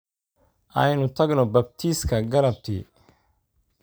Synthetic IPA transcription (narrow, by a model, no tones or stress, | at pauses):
ʔɐjnʊt̪ʰɐɡnɔbɐb̚t̪ʰiːskʰɐɡɐlɐb̚t̪ʰḭ